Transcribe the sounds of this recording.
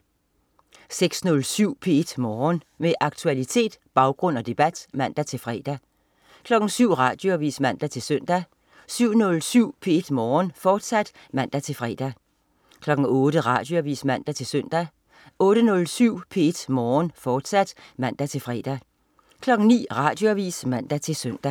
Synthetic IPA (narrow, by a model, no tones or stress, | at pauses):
seɡ̥snɔ̽lsyʊ̰pʰe̝e̝d̥mɒːn | meʔɑ̈ɡ̥̚t͡sʰuælit͡sʰe̝̰ːd̥b̥ɑ̈ʊɡ̥ʁɔ̽n̰ɒ̽d̥e̝b̥æd̥mæn̰d̥æt͡sʰe̝lfʁɛ̰ːd̥æ | kʰlɒ̽ɡ̥n̩syʊ̰ʁɑ̰̈ːd̥joʋḭːsmæn̰d̥æt͡sʰe̝lsœn̰d̥æ | syʊ̰nɔ̽lsyʊ̰pʰe̝e̝d̥mɒːnfɒːd̥sæd̥ | mæn̰d̥æt͡sʰe̝lfʁɛ̰ːd̥æ | kʰlɒ̽ɡ̥ŋ̩ɔ̽ːɾ̥əʁɑ̈ːd̥jo̝æʋḭːsmæn̰d̥æt͡sʰe̝lsœn̰d̥æ | ɔ̽ːɾ̥ənɔ̽lsyʊ̰pʰe̝e̝d̥mɒːnfɒːd̥sæd̥mæn̰d̥æt͡sʰe̝lfʁɛ̰ːd̥æ | kʰlɒ̽ɡ̥ŋ̩nḭːʁɑ̈ːd̥jo̝æʋḭːsmæn̰d̥æt͡sʰe̝lsøn̰d̥æ